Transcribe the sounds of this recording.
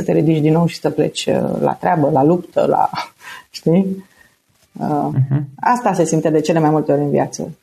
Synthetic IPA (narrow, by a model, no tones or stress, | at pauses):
ət̪e̞ɾid̪it͡ʃd̪inːo̞wʃi̥səple̞̰t͡ʃʲla̰t̪ɾeabəlalupt̪ə̰la̰ʃt̪i | ə | ast̪ase̞simt̪ed̪e̞t͡ʃe̞le̞majmult̪e̞o̞ɾʲɨnvijat̪sə̰